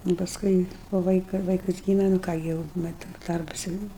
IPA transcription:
nʊ pɐsˈkʊɪ poː ˈʋɐɪkɐ ˈʋɐɪkɐs ˈɡʲiːmʲɛ nʊ ˈkɑː ɡʲɪ jɛʊ ˈmʲɛt ˈdɐrbɐs jɛʊ ˈnʊ

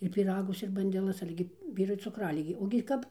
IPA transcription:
ɪr pʲiːˈrɑːɡʊs ɪr bɐnʲdʲɛˈlˠɐs ˈɑːlʲɛ ɡʲɪ ˈʋʲiːrʊɪ t͡sʊˈkrɑːlʲɪɡʲeː oːɡʲɪ ˈkɐp

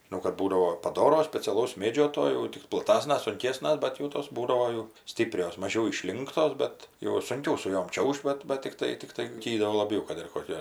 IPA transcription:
ʒʲɪˈnɐʊ kɐt ˈbuːdɐʋoː pɐˈdoːroː sʲpʲɛt͡sʲɛˈlˠɐʊs ˈmʲeːd͡ʒʲoː toː jɛʊ ˈtʲɪk plˠɐˈtɑːsnɐs sʊŋʲˈkʲeːsnɐs ˈbʲɛt jɛʊ toːs ˈbuːdɐʋoː jɛʊ ˈsʲtʲiːpʲrʲoːs mɐˈʒʲɛʊ ɪˈʃʲlʲɪŋktoːs ˈbʲɛt jɛʊ sʊŋʲˈkʲɛʊ sʊ ˈjoːm ˈt͡ʃʲɛʊʃʲtʲ ˈbɐt bɐt tʲɪkˈtɐɪ tʲɪkˈtɐɪ ˈtʲiː doː lˠɐˈbʲɛʊ kɐt ɪr koːˈkʲɛ

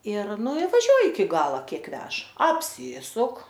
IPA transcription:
ɪr ˈnʊ ɪ ʋɐˈʒʲuɔjɪ ɪkʲɪ ˈɡɑːlˠɐ ˈkʲiɛk ˈʋʲɛʃ ɐpʲˈsʲiːsʊk

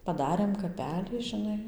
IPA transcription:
pɐˈdɑːrʲeːm kɐˈpʲæːlʲiː ʒʲɪˈnɐɪ

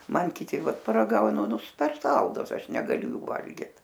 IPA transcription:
ˈmɐn kʲɪˈtʲɪ ˈʋɐt pɐrɐˈɡɐʊnʊ nʊ pʲɛr ˈsɐlˠdʊs ˈɐʃ nʲɛɡɐˈlʲʊ ˈjuː ˈʋɐlʲɡʲɪt

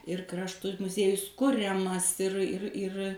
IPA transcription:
ɪr ˈkrɑːʃtʊ mʊˈzʲiɛjʊs ˈkʊrʲɛmɐs ɪr ɪr ɪr

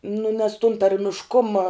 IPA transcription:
nʊ nʲɛs tʊn tɐrʲmʲɪʃˈkʊmɐ

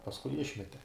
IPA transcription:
pɐsˈkʊɪ ˈɪʃʲmʲɛtʲɛ

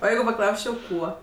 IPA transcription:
oː ˈjɛɪɡʊ pɐˈklˠɐʊsʲt͡ʃʲɛʊ ˈkuɔ

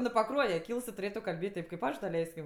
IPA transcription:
nʊ pɐˈkruɔjɛ ˈkʲiːlˠs tʊˈrʲeːtʊ kɐlʲˈbʲeːtʲ ˈtʲeːp kɐɪp ˈɐʃ dɐˈlʲɛɪsʲkʲɪm

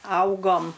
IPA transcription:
ˈɐʊɡoːm

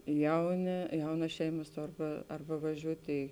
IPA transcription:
ˈjɛʊˌnʲeː ˈjɛʊnɐs ˈʃʲɛɪmɐs ˈtoːr ˈbɐ ˈɐrˌbɐ ʋɐˈʒʲuːtʲeː

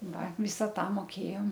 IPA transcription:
ˈʋɐ ˈʋʲiːsɐ ˈtɐ moːˈkʲeːjoːm

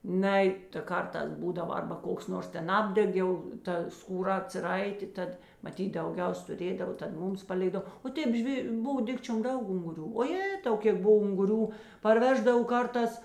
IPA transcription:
ˈnɐɪ tɐ ˈkɐrˌtɑːs ˈbuːdɐʋɐ ˈɐrbɐ ˈkoːks ˈnoːrs ˈtʲɛn ˈɑːbʲdʲɛk jɛʊ ˈtɐ skuːˈrɐ ɐtʲsʲɪˈrɐɪtʲeː ˈtɐt mɐˈtʲiːt dɐʊˈɡʲɛʊs tʊˈrʲeːdɐʋoː tɐt ˈmuːms pɐˈlʲeːɡdɐw oː ˈtʲeːp ˈʒʲʋʲeː ˈboːw ˈdʲɪkt͡ʃʲoːm ˈdɐʊk ʊŋɡʊˈrʲuː oː ˈjeːtɐʊ ˈkʲeːk ˈboːw ʊŋɡʊˈrʲuː pɐrʲˈʋʲæːʒdɐw ˈkɐrˌtɑːs

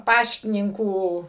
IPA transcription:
ˈpɑːʃʲtʲɪnʲɪŋkuː

